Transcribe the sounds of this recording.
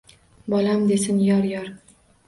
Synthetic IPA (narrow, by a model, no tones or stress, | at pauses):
bɒlamd̪e̞sɪnjɒɾjɒɾ